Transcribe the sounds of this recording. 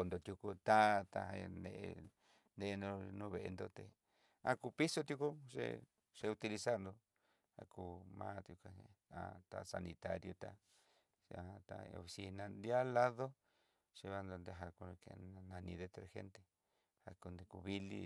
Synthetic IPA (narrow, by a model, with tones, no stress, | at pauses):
ko˧nd̪o˨t̪ju˧ku˧t̪a˦t̪a˧a˧nḛ˧ʔ | nd̪e˧no˧nũ˦βe˨ʔe˧nd̪o˧t̪e˨ | ã˦ku˧pi˦so˧t̪ju˧ku˦ʐḛ˧ | ʂe˧u˧t̪i˧li˧sa˦ɾnd̪o˧ | ha̰˧ku˧mãː˦t̪ju˧ka˧a̰˧t̪a̰˧sa̰˧nĩ˧t̪a˦ɾjo˧t̪a˧ | a˧t̪a˧o̰˧fi˧si˧nã˧nd̪a˦la˦ðo˦ | ʂe˧βa˧nd̪o˧nd̪e˧ɦa˧ku˧kḛ˧nã˧nĩ˧ðe˧t̪ɾe˧xḛ˦nt̪e˧ | ha˧ku˧nd̪e˧ku˧βi˦lḭ˧